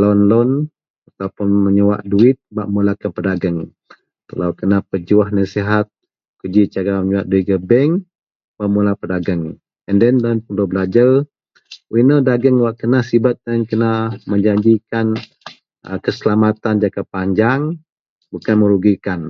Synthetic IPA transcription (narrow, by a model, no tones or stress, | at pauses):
lɔnlɔn | at̪apʊnməɲəwa̰ʔduɪt̪̚baʔmulakanpədaɡəŋ | t̪əlawkənapəd͡ʒuahnasiɦat̪̚ | kəd͡ʒit͡ʃaɾaməɲuwaʔ̪̚duit̪̚ɡəbɛŋ | baʔmulapədaɡəŋ | ɛndɛndanpəlubəlad͡ʒar | winədaɡəŋwaʔkənahsibat̪̚dankənaməɲd͡ʒaɲd͡ʒikan | əkəsəlamat̪and͡ʒakapaɲd͡ʒaŋ | bukanməɾuɡikan